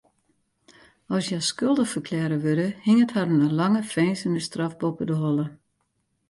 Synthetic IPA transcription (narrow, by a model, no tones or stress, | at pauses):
ɔsjaskølˠdəfərkʰlɛɾəʋødəhiŋətharnəlaŋəfɛːnsənəstrafbopədəɦɔlˠə